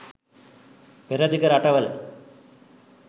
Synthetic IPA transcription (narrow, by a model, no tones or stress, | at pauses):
peɾɐd̪ʱikɐɾɐʈɐʋɐl